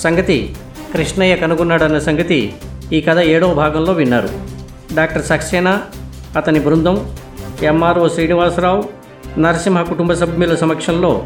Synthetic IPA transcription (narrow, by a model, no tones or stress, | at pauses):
sɐŋɡɐt̪i | kɾiʂnɐjɐkɐnuɡunːaːɽɐnːɐsɐŋɡɐt̪ḭiːkɐd̪ʰʱɐeːɽoːbʱaːɡɐmlo̞ːʋinːaːɾṵ | ɖaːk̚ʈɐɾsɐkʂɛːna | ɐt̪ɐnibʱɾund̪ʱɐm | emːaːɾoːʃɾiːniʋaːsɾaːw | nɐɾɐsimɦɐkuʈumbɐsɐbʱjulɐsɐmɐkʂɐnlo̞ː